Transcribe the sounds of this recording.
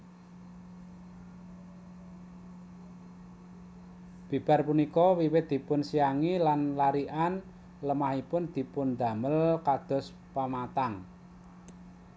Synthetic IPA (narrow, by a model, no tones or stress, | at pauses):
b̥i̤b̥a̤rpunikɔwiwɪt̪̚d̪̥i̤pʊnsiaŋilanlaɾiʔan | ləmahipʊnd̪̥i̤pʊnd̪a̤məlkad̪̥ɔ̤s | pamat̪aŋ